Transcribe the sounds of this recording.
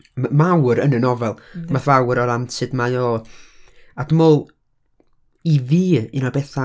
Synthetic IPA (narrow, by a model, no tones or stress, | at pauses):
mawɾənənɔvɛlˠmaθvawɾɔɾamsʰɨdmajoː | ad̥əmoːlˠ | iviːinɔbɛθa